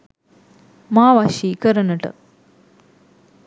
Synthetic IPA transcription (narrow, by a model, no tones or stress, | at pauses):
maːʋaʃikɐɾɐnɐʈɐ̰